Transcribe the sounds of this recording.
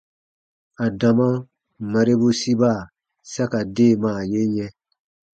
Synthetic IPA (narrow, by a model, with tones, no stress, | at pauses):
a˨da˨mã˦ | ma˨ɾe˦bu˦si˦ba˦˨ | sa˦ka˨de˦˨mã˨je˦ɲɛ̃˦